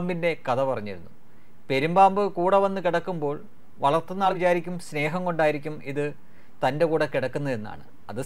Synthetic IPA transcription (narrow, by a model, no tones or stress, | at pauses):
mbinde̞kɐðɐpɐrɐɲːiɾunːu | pe̞ɾumbaːmbɨkuːɽɐʋɐnːɨkiɽɐkːumbo̞ːɭ | ʋɐɭɐrt̪ːenːat͡ɕaːɾikʲːumsne̞ːɦɐŋko̞ɳɖaːjiɾikʲːumiðɨ | t̪ɐnde̞kuːɽɐkiɽɐkːunːɐðe̞nːa̰ːɳɨ | ɐðɨ